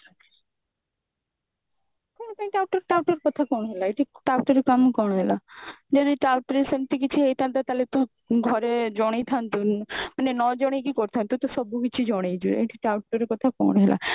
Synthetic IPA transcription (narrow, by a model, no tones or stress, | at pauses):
kɔñt̪ãʈawʈɔɾʈawʈoɾkɔt̪ʰakɔɳɦelaeʈʰiʈawʈɔɾekamkɔɽ̃ɦelad͡ʒaneʈawʈɾesɔmt̪ikit͡ʃʰiɦejt̪ʰant̪at̪alet̪u | ɡʱɔɾed͡ʒɔɽ̃ejt̪ʰant̪umanenɔd͡ʒɔɽ̃ekikɔɾt̪ʰant̪ut̪ɔsɔbukit͡ɕʰid͡ʒɔɽ̃ejd͡ʒueʈʰiʈawʈoɾekɔt̪ʰakɔ̰ɳ̃ɦelʔa̰